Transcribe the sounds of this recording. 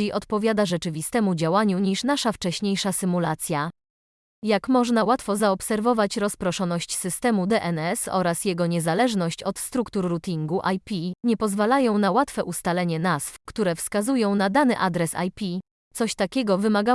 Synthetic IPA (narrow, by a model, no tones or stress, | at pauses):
ejʔɔt̪pɔvʲjad̪aʐɛt͡ʂɘvʲist̪ɛmud͡ʑawaɲuɲiʂnaʂaft͡ʂɛɕɲejʂasɘmulat̪sʲja | jakmɔʐnawat̪fɔzaɔpsɛɾvɔvat͡ɕɾɔspɾɔʂɔnɔɕt͡ɕsɘst̪ɛmud̪ɛʔɛnɛsɔ̰ɾasjɛɡɔɲɛzalɛʐnɔɕt͡ɕɔt̪st̪ɾukt̪uɾːut̪ʲiŋɡuʔajpʲiɲɛpɔzvalajɔ̃w̃nawat̪fɛʔust̪alɛɲɛnaz̥fkt̪uɾɛfskazujɔ̃w̃nad̪anɘʔad̪ɾɛsa̰jpʲi | t̪sɔɕt̪akʲɛɡɔvɘmaɡa